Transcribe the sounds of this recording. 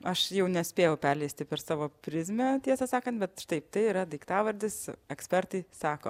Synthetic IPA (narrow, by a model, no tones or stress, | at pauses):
ɐʃjɛʊnʲɛsʲpʲeːjɛʊpʲɛɾʲlʲɛɪsʲt̪ʲɪpʲɛrsɑːʋoːpʲɾʲɪzʲmʲɛt̪ʲiɛsɐsɑːkɐnt̪bʲɛt̪ʃt̪ɐɪp̚t̪ɐɪiɾɐd̪ɐɪkt̪ɑːʋɐɾʲd̪ʲɪsɛksʲpʲɛɾt̪ɐɪsɑːkoː